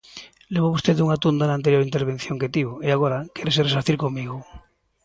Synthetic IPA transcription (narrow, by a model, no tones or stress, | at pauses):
leβoβust̪eðuŋat̪und̪anant̪e̞ɾjo̞ɾint̪eɾβ̞e̞n̟θjo̞ŋket̪iβoeaɣ̞oɾakeɾes̬eres̬aθiɾkoŋmiɣo